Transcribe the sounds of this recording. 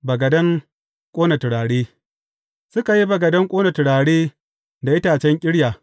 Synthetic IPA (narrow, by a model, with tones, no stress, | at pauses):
bɐ˨ɡɐ˨dɐ˦ŋ | kʷʼoː˦nɐ˨tɪ˨ɽaː˨ɽeː˦ | sʊ˦ka˨ji˦bɐ˨ɡɐ˨dɐ˦ŋkʷʼoː˦nɐ˨tʊ˨ɽaː˨ɽeː˦ | da˨ʔɪ˦taː˨t͡ʃɛ˦ŋkʲʼɪ˦ɽjaː˨